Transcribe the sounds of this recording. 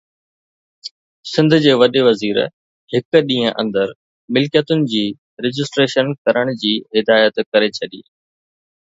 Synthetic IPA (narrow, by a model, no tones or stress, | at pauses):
sɪ̃nd̪ʱʊ̆d͡ʑeːʋɐɗeʋɐziːɾ | hɪkɗĩːə̃ʔɐ̰̃nd̪əɾ | mɪlkjət̪ʊnɪ̆d͡ʑiː | ɾɪd͡ʑɪsʈɾeːʃənkɐɾəɽ̃d͡ʑiːɦɪd̪aːjət̪kɐɾet͡ɕʰɐɗiː